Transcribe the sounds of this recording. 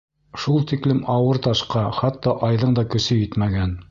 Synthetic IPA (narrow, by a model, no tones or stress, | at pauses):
ʃulˠt̪iklɘmʔɑwɤɾt̪ɑʃqɑχɑt̪ːɑʔɑjðɤɴd̪ɑkɵ̆sɵjɘt̪mæɡæn